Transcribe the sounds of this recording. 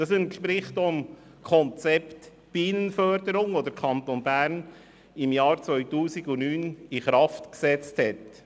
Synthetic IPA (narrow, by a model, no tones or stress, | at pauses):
d̥ɑsənʃpɾɪχtʊm | kʰɔnt͡sɛpt̪ | b̥iːnənfœɾd̥əɾʊŋod̪əɾkʰɑntonbæɾn | ɪmjɑːɾt͡sʋœʏtuːsɪɡʊnyːnɪχɾɑftksɛt͡sthɛt